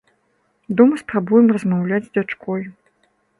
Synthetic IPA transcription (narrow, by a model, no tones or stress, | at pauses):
d̪ɔmɐspɾabujɛmrɐzmawlʲad͡zʲzd͡zʲat͡ʂkʰɔj